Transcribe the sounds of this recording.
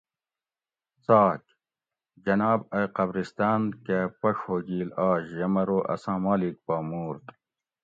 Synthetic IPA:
t͡saːk | d͡ʑɐnaːbɐqɐbɾist̪aːnkepɐʂhoːɡiːlaːɕjɐmɐɾoːʔɐ̰sãːmaːlik̚paːmuːɾt̪

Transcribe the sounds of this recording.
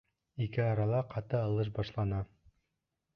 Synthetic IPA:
ikɘɑɾɑlˠɑqɑt̪ɤɑlˠɤʃ̬bɑʃlˠɑnɑ

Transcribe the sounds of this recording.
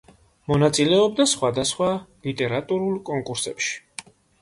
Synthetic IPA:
mɔnat̪sʼilɛɔb̚d̪asχwad̪asχwalit̪ʼɛɾat̪ʼuɾulˠkʼɔŋkʼuɾsɛ̰pʃi̥

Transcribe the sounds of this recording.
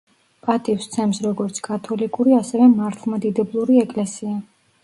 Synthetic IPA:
pʼat̪ʼifst̪sʰɛmsɾɔɡɔɾt̪sʰkʰʼat̪ʰɔlikʼuɾiasɛvɛmaɾt̪ʰlˠmad̪id̪ɛblˠuɾiɛkʼlɛsia

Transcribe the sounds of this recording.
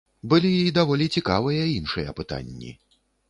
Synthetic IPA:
bɨlʲiid̪avɔlʲit͡sʲikavɨjɐinʂɨjɐ̰pɨt̪a̰nʲːḭ

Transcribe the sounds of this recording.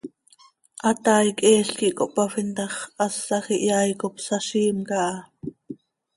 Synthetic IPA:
ʔɑt̪ɑːjkɛːɬkiʔkoʔpɑfint̪ɑχʔɑsːɑxiʔjɑːjkopsɑʃiːmkɑʔɑ

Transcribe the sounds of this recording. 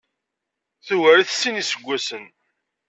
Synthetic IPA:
θuwæɾiθsinisəɡʷːæsən

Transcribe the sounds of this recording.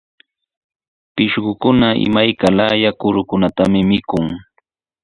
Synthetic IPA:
pɪʃɢʊkʊnaʔɪ̰majkalajakʊɾʊkʊnat̪amɪmɪkʊŋ

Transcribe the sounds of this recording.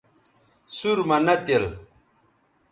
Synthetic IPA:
suɾmanat̪el

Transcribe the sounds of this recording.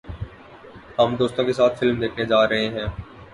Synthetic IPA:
hɐmd̪oːst̪õkes̬aːt̪fɪlmd̪eːkʰned͡ʒaːɾɐɦeɦɛ̃ː

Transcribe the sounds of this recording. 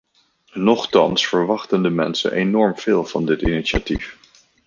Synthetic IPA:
nɔχtɑnsfəɹʋɑχtəndəmɛnsə̰nʔenɔɹmv̥ɪːlˠv̥ɑndɪtiniʃa̰tif

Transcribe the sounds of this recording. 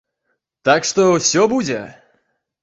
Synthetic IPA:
t̪akʂt̪ɔsʲɔbud͡zʲɛ

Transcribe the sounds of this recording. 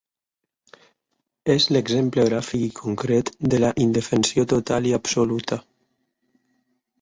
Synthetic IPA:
ezleɡzempleɣɾafikikʰoŋkɾet̪d̪elaʔind̪efensiot̪ot̪aliapsolut̪a

